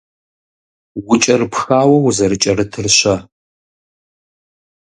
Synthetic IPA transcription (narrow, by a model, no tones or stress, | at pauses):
wʊt͡ʃʼɐrpxaːwɐwzɐɾɨt͡ʃʼɐrɨtʰɨrɕɐ